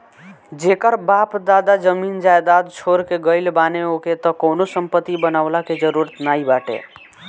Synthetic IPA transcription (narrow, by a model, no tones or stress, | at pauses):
d͡ʒekəɾbapd̪aːd̪ad͡ʒəmiːnd͡ʒajd̪ad̪t͡ʃʰoɾkeɡəɪlbaːneoket̪ɔkoːnosəmpət̪ːibənaʊlaked͡ʒəɾuɾət̪naibaːʈḛ